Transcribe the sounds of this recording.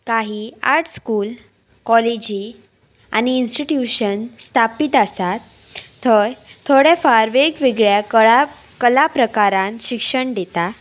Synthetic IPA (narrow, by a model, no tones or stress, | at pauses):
kaɦia̰ɾʈʰskuːl | kɔled͡ʑi | a̰ñiːnsʈiʈjuɕənst̪ʰapit̪əsat̪ːʰ | əɾt̪ʰoɽefaɾʋeɡʋiɡɭja | kəlapɾəkaɾãnɕikʂəɳɖ̪et̪a